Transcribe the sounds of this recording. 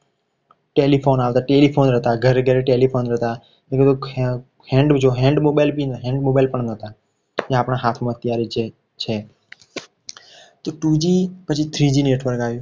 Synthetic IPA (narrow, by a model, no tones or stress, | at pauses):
ʈelipʰonaʋt̪aʈelipʰonɾəɦt̪aɡʱəɾːəɡjaɾeʈelipʰonɾəɦt̪a | leket̪o | hɛ̃ɳɖd͡ʒʰoɦɛ̃ɳɖmobajlpinɦɛ̃ɳɖmobajlpəɳnət̪a | d͡ʒeapɳ̃aɦat̪ʰmãt̪jaɾit͡ʃ | t͡ʃʰe | t̪oʈud͡ʒipət͡ʃʰit̪ʰɾid͡ʒineʈʰʋəɾkaːʋjũ